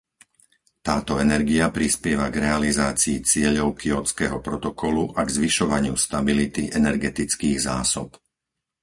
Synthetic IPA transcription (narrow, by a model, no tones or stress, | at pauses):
t̪aːt̪ɔɛnɛɾɡiapɾispjɛʋaɡɾɛalizaːt͡siːt͡sɪɛʎɔʊkʰiɔt͡skɛɦɔpɾɔt̪ɔkɔluʔaɡzʋiʃɔʋaɲɪust̪abilit̪iʔɛnɛɾɡɛt̪it͡skiːɣza̰ːsɔp